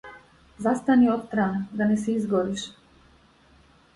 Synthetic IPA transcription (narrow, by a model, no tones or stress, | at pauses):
zast̪aniɔt̪t̪ɾanɡ̪anɛsɛizɡɔɾiʃ